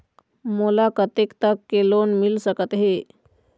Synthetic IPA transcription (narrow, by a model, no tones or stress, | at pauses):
molakət̪ekt̪əkːelonmilsəkət̪ɦe